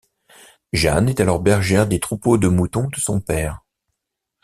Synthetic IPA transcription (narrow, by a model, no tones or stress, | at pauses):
ʒa̰nɛt̪alɔʁbɛʁʒɛʁd̪et̪χupod̪əmut̪ɔ̃d̪əsɔ̃pɛːʁ